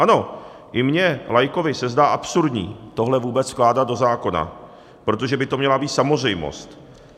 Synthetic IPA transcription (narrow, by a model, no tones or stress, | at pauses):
ʔano̞ | ʔɪmɲɛlajko̞vɪsɛzdaːʔapsuɾdɲḭːt̪o̞ɦlɛvuːbɛt͡sfklaːdat̪̚do̞zaːko̞na̰ | pɾo̞t̪oʒɛbɪt̪omɲɛlabiːt̪samor̝ɛjmo̞̰st̪